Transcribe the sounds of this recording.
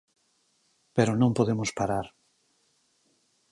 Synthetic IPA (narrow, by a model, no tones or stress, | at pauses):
peɾonõmpoðemʊspaɾaɾ